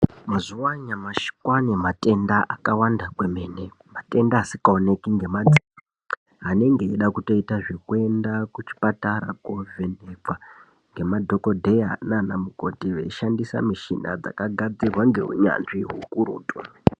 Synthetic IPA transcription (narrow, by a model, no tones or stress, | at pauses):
mazuwaɲamaʃi̥kwanemate̞ndaʔakawandakwe̞me̞ne | mate̞ndaːsikaone̞kiŋɡe̞mad͡zi | ɦane̞ŋɡe̞ːɗakuto̞itaʐekue̞ndakut͡ʃi̥pataɾa̰koveneb͡va | ŋɡe̞madʱo̞ko̞dʱejananamuko̞tiʋe̞̰iʃandisa̰miʃina̰d͡za̰kaɡʱad͡zirwaŋɡe̞̰ɦṵɲa̰nʐiɦṵkuɾṵːtu